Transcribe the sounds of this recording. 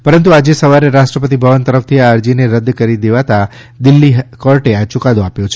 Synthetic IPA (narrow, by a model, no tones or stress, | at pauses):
pəɾənt̪̬uad͡ʒesəʋaɾeɾaʃʈɾəpət̪̬ibʱəʋənt̪əɾəft̪ʰiaəɾd͡ʒineɾəd̪kəɾid̪eʋat̪a | d̪ɪlːiɦkɔɾʈeat͡ʃʊkad̪oapjot͡ʃʰe